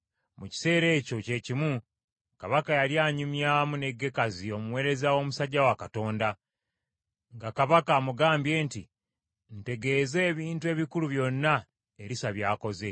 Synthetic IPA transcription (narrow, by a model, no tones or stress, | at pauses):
muci̥se̞ːɾe̞ːco̞ce̞cimu | kaβakajaljaːɲumjamune̞ɡːe̞kazio̞muwe̞ːɾe̞zawo̞musaɟːawakato̞ːnda | ŋɡakaβakamuɡaːmbje̞ːnti | n̩te̞ɡe̞ːze̞ːβiːntue̞ːβikuluβjo̞nːa | eɾisaβjaːko̞ze̞